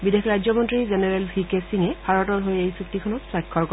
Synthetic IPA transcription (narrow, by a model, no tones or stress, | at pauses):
bidekʰɹajzjɔmɔntɹizɛnɛɹɛlbʱikesiŋɛbʰʱaɹɔtɔɹɦojejsuktikʰɔnɔtsɹajkʰːɔɹkɔ